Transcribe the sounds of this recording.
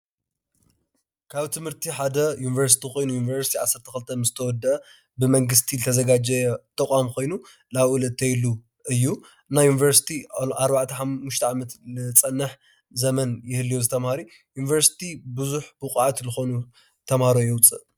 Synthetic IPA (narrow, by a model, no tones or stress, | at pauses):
kʰaβt̪ʰɨmhɨɾt̪ʰiħad̪ɐjunivɐɾs̬i̥t̪ʰiko̞jnujunivɐɾsi̥t̪iʕa̰sːɐɾt̪ʰɐxɨlt̪ʰɐnɨzɨt̪ʰɐwɔd̪ʔɐ | bɨmɐŋɡɨs̬t̪ʰilɨt̪ʰɐzɐɡad͡ʒɐjɐt̪ʼɐkʼamkʰo̞jnu | laβulɐt̪ʰːɐjlːu | ʔɨjːu | ɨnːajunivɐɾsi̥t̪ʰiʔaɾbaʕt̪ʰɐħamːuʃt̪ʰɐʕamɐt̪lɨt͡sʼɐnːɨħ | zɐmɐnjɪhɨlːijozɨt̪ʰɐmhaɾi | junivɐɾsi̥t̪ʰibɨzuħbɨqʼʕat̪zɨxo̞nu | t̪ʰɐmhaɾojɛwʊt͡sʼɨʔ